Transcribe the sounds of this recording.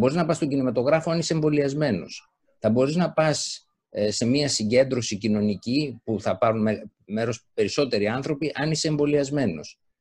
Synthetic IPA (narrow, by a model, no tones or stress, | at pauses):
ɐboɾiznɐpɐst̪o̞ɟinimɐt̪o̞ɣɾɐfo̞ɐniseɱvo̞liɐzme̞no̞s | θɐbo̞ɾiznɐpɐsː | e̞miɐsiɲɟe̞nd̪ɾo̞sicino̞nicipuθɐpɐɾunme | me̞ɾo̞spe̞ɾiso̞t̪e̞ɾiɐnθɾo̞piʔɐniseːɱvo̞liɐzme̞no̞̰s